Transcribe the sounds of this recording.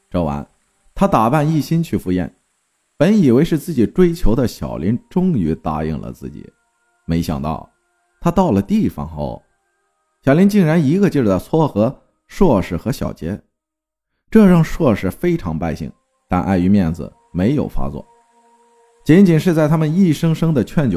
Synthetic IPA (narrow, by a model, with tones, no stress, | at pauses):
ʈ͡ʂɑ˥ʊwa̰˧˥n | t̪ʰa˥t̪a˨˩pa˥˧ni˥˩ɕi˥nt͡ɕʰy˥˩fu˧˥jɛ̰˥˩n | pə˧˥ni˨˩we˧˥ɪʂɻ̩˥˧t͡sɹ̩˥˩t͡ɕi˨˩ʈ͡ʂwe˥ɪt͡ɕʰjo˧˥ʊd̪ə˧ɕjɑ̰˨˩ʊlʔi˧˥nʈ͡ʂʊ˥ŋy˧˥t̪a̰˥˧ḭ˥˩ŋlə̰˩t͡sɹ̩˥˩t͡ɕḭ˨˩˦ | me˧˥ɪɕjɑ̰˨˩ŋt̪ɑ̰˥˩ʊ | t̪ʰa˥t̪ɑ˥˩ʊlə˩t̪i˥˩fɑ̰˧˥ŋxo̰˥˧˩ʊ | ɕjɑ˨˩ʊli˧˥nt͡ɕi˥˩ŋɻa˧˥ni˧˥ɡə˧t͡ɕjo˥˧˩ʊ˩d̪t͡sʰwɔ˥˩xɤ˧˥ | ʂwɔ˥˩ʂɻ̩˧˥˩xɤ˧˥ɕjɑ̰˨˩ʊt͡ɕjɛ̰˧˥ | ʈ͡ʂɤ˥˧ɻɑ˥˧ŋʂwɔ˥˧ʂɻ̩˥˩fe˥ɪʈ͡ʂʰɑ˧˥ŋpa˥˧ɪɕḭ˥˩ŋ | t̪a̰˥˧nʔa̰˥˩ɪy˧˥mjɛ˥˩nd͡zɹ̩̰˩ | me˧˥ɪjo˨˩ʊfa̰˥t͡swɔ̰˥˩ | t͡ɕi˧˥nt͡ɕi˨˩nʂɻ̩˥˧t͡sa˥˧ɪt̪ʰa˥mə˨ni˥˩ʂɤ˥ŋʂɤ˥ŋd̪ə˨t͡ɕʰɥɛ˥˩nt͡ɕjo˨˧˩